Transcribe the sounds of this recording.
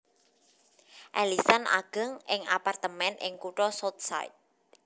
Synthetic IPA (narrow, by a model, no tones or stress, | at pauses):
ʔɛlisana̰ɡ̥ə̤ŋʔɪŋapart̪əmɛnʔɪ̰ŋkuʈɔsɔt̪̚sa̰ɪ̰t̪̚